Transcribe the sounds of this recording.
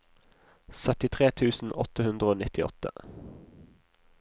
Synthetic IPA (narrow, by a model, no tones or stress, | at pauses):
sœt̪ɪt̪ʰʁeːt̪ʰʉːsn̩ʔɔt̪əhʉnd̪ʁəoːnɪt̪ɪɔ̰t̪ə̰